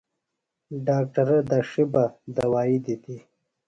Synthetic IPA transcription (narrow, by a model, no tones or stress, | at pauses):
ɖaːk̚ʈɐɾəd̪aʂibad̪awaːid̪it̪i